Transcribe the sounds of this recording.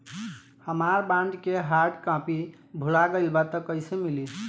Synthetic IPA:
həmaɾbãɳɖkeɦaɾɖkãpi | bʱulaɡəɪlbat̪əkəjsemili

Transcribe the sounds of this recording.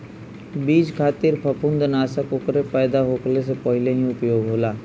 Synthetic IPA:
biːd͡ʒkʰaːt̪ɪɾpʰəpʰʊ̃nd̪ənaːsəkʊkɾepɛːd̪aɦoːkles̬epəɦɪleɦĩʊpjoːɡɦoːlaː

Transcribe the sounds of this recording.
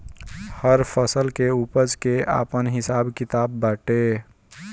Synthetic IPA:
həɾpʰəsəlkeuːpəd͡ʒkea̰ːpənɦɪsaːbkɪt̪aːbːaːʈe

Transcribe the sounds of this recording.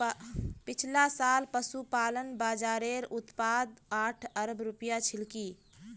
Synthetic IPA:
pɪt͡ʃʰlasaːlpəsupaːlənbaːd͡ʒaːɾeɾʊt̪paːd̪aːʈʰəɾəbɾʊpjat͡ʃʰɪlki

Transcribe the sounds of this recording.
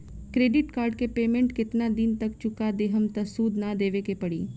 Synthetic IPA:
kɾeːɖɪʈkaːɾɖ̚kepeːmẽɳʈkɪt̪nad̪ɪnt̪ɐk̚t͡ʃʊkad̪eːɦəmt̪ɐsuːd̪nad̪eːʋekepɐɽiː

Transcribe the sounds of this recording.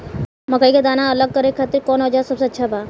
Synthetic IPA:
məkəikad̪aːnaɐləɡ̚kəɾeaːt̪iɾkɔːnɦɔd͡ʒaːsɐbseɐtːʃʰabaː

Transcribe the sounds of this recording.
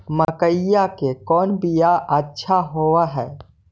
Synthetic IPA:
məkəjjakekɔːnbijaʔətːʃʰaɦoaɦɛː

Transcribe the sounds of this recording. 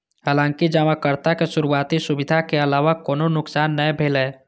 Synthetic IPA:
haːlãːŋkid͡ʒəmakəɾt̪akesʊɾuaːt̪isʊbɪd̪ʱakeɐlaːʋakoːnonʊksaːnːəebʱeːleː

